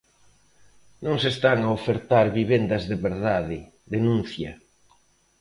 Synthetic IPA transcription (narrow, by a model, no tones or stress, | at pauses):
nõŋsest̪aŋaofeɾt̪aɾβiβ̞end̪ɐzðeβeɾðaðɪ | ðenũnθjɐ